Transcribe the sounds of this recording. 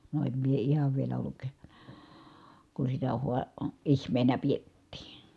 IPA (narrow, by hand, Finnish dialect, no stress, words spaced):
no em mie ihɑʋ ʋielæ olːuk kun sitæ huɑ ihmˑeːnæ pietːiː